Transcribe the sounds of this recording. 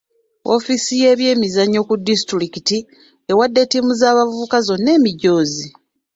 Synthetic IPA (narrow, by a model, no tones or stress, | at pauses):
o̞̰fisije̞ːβje̞ːmizaɲːo̞kudːistuɾikiti | ewadːetimuzaːβavuβukazo̞nːe̞ːmiɟːo̞ːzi